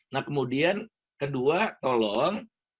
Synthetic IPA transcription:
nahkəmudian | kəduat̪olɔŋ

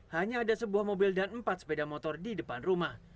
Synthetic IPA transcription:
haɲaːdasəbuahmobɪldanəmpat̪̚sə̥pedamot̪ɔrdidəpanrumah

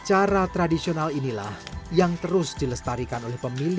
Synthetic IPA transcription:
t͡ʃaɾat̪ɾadisionalinila̰hjaŋt̪əɾʊsd̥iləst̪aɾikanolɛhpəmil

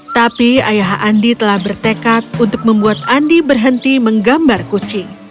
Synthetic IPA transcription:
t̪apiajaɦandit̪əlahbərt̪ekat̪̚unt̪ʊk̚məmbuat̪̚andibərɦənt̪iməŋɡambarkut͡ʃi

